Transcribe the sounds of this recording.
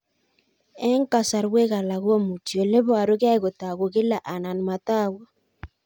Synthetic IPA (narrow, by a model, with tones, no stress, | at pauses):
ɛ˦ŋka˨sa˨ɾwe˦ɣa˨la˨ɣo˦mu˨t͡ʃjo˨le˦βɔ˦a˨ɾo˦ɣa˦i˦˨ɣo˨ta˨ɣo˨ɣɪ˦la˨ʔa˨na˨n˨ma˨ta˦˨wa˨